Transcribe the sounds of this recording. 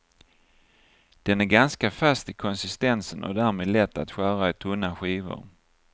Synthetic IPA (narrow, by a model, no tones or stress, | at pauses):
d̪̥ɛnæɾɡanskafast̪ɪkʰɔnsɪst̪ɛnsənʔɔ̰d̪æːɾmeːd̪lɛt̪ːa̰t̪ɧæːɾaɛt̪ʰɵnːaɧiːvʊ̰ɾ